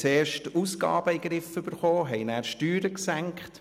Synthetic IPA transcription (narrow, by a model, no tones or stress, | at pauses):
t͡seːɾʃtusɡ̥ɑ̰ːb̥əiɡɾɪfʏb̥əɾχoːɦɛɪnæːɾʃtyːɾəksæŋkχt